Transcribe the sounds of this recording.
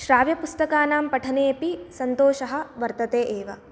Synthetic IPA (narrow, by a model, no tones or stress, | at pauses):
ʃɾaːʋjɐpust̪ɐkaːnaːmpɐʈʰɐneːpisɐnt̪oːʃɐɦɐ̆ʋɐɾt̪ɐt̪eːʔeːʋɐ